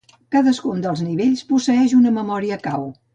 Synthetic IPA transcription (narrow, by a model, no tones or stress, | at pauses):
kaðəskund̪əlˠzniβeʎʲspusəɛʒunəməmɔɾiəkaw